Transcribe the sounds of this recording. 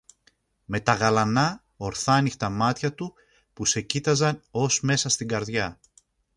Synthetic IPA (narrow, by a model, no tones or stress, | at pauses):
me̞t̪ɐɣɐlɐnɐ | o̞ɾθɐnixt̪ɐmɐt̪çɐt̪u | puse̞cit̪ɐzɐno̞zme̞sɐst̪iŋɡɐɾðʝɐ